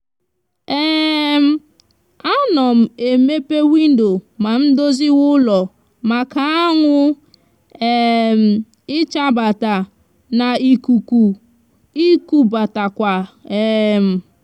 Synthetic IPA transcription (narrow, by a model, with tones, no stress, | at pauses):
e˦m̩˦ | a˦nɔ˨m̩˨e˨me˦pe˦wi˦n̩˦do˨ma˨n̩˦do˦zi˦wʊ˦lɔ˨ | ma˨ka˨a˦ŋʷʊ˦ | e˦m̩˨ | ɪ˦t͡ʃa˦ba˨ta˨ | na˨i˨ku˨ku˨ | i˦ku˦ba˨ta˨kʷa˨e˨m̩˨